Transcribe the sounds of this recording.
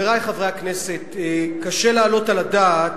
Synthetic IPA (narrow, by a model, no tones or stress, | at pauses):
eʁajχavʁehaknese̞t̪kaʃelaːlo̞taladat